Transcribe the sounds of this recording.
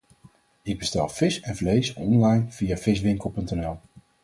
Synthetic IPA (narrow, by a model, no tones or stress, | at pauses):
ɪɡ̚bəstɛlˠvɪsɛnvlejsɔnlɑjnv̥ijav̥ɪsʋɪŋkəlˠpɵntɛnɛlˠ